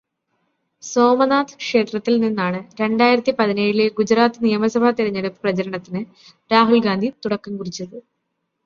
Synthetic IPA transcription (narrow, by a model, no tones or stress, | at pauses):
so̞ːmɐnaːt̪ɨ̥kʂe̞ːt̪rɐt̪ːilninːaːɳɨɾe̞ɳɖaːjiɾɐt̪ːipɐðineːjileɡud͡ʑraːt̪ːɨnijɐmɐsɐbʱɐt̪iɾɐɲːeɽupːɨ̥prɐt͡ɕɐɾɐɳɐt̪ːinɨ | ɾaːɦulɡaːnd̪ʱit̪uɽɐkːɐmkurit͡ɕːɐðɨ